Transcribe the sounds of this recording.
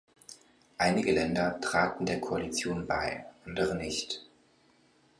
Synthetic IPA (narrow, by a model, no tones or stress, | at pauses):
ʔaɪnɪɡəlɛndɐtʁ̥aːtn̩deːɐkʰoalit͡sjoːnba̰ɪʔandəʁənɪçt